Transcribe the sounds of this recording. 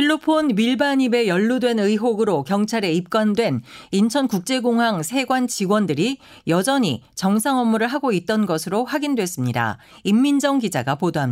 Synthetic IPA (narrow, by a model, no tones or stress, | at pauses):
pʰiɭːopʰonmiɭbaɲibe̞jʌɭːudwe̞nɯiɦoɡɯɾokjʌŋt͡ɕʰaɾe̞ip̚k͈wandwe̞nint͡ɕʰʌnkuk̚t͡ɕ͈e̞ɡoŋɦaŋsʰe̞ɡwant͡ɕiɡwʌndɯɾi | jʌd͡ʑʌɲit͡ɕʌŋsʰaŋʌmːuɾɯɭɦaɡoit̚t͈ʌnɡʌsʰɯɾoɸwaɡindwe̞s͈ɯmɲida̰ | imːind͡ʑʌŋɡid͡ʑa̰ɡapodoɦamɲ